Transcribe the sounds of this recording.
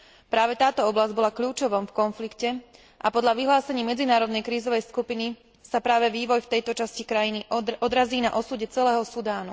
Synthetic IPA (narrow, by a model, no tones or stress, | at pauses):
pɾaːʋɛt̪aːt̪ɔɔblazɟ̚bɔlakʎuːt͡ʃɔʋɔmfkɔnflikcɛ | ʔapɔd̪ʎaʋiɦlaːsɛɲiːmɛd͡zinaːɾɔd̪nɛjkɾiːzɔʋɛjskupini | sapɾaːʋɛʋiːʋɔjft̪ɛjt̪ɔt͡ʃascikɾajiniʔɔd̪ɾaziːnaʔɔsuːɟɛt͡sɛlɛːɦɔsud̪aːnṵ